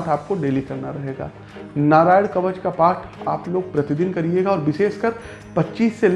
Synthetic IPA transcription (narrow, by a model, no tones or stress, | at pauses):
t̪ʰaːp̚koɖeːlikɐɾnaɾɐɦeːɡa̰ː | naːɾaːjəɽkɐʋəd͡ʒkapaːɾʈaːploːɡ̚pɾɐt̪ɪd̪ɪnkɐɾieːɡaɔːɾʋɪseːʃkɐɾ | pɐtːt͡ʃiːsːel